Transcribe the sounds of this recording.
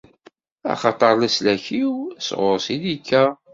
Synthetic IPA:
ɑ̰χɑt̪ˤɑɾˤlæslæçiwsʁoɾsid̪ikʰːæ

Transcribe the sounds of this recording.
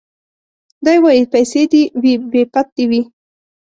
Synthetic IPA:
d̪ajwajipajsed̪iwibepat̪̚d̪iwi

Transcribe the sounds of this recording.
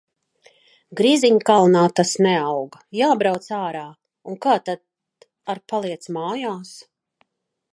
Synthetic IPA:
ɡɾiziɲkalˠnaːt̪asnɛawɡjaːbɾawt̪saːɾaː | uŋkaːt̪ad̪ | aɾpalˠiɛt̪smaːjaːs

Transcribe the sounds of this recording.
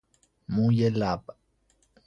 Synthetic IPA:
mujelapa

